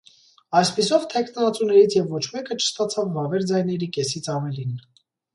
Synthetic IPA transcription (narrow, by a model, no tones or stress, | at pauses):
ɑjspisɔvt̪ʰɛkʰnɑt͡sunɛɾit͡sʰjɛvːɔt͡ʃʰmɛkət͡ʃʰə̥st̪ɑt͡sʰɑvːɑvɛɾd͡zɑjnɛɾikɛsit͡sʰɑvɛlin